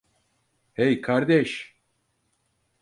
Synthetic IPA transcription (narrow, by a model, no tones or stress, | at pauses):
hejkʰaɾd̪ɛʃ